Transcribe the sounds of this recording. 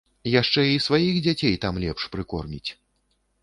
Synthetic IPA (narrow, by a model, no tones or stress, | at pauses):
jaʂt͡ʂɛisvajixd͡zʲat͡sʲejt̪amlʲɛpʂpɾɨkɔ̰rmʲit͡sʲ